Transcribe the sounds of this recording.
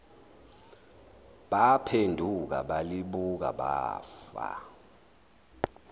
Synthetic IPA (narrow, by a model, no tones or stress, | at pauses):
ɓapʰendʱuk̬a̰ɓaliɓuk̬a̰ɓaːfa̰